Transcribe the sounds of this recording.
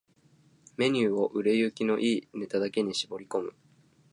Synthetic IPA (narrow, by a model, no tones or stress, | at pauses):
me̞ɲ̟ɨːo̞ʔɯ̟ɾe̞jɯkʲino̞ʔiːne̞t̪ad̪ake̞ɲ̟iɕibo̞ɾʲiko̞mɯ̟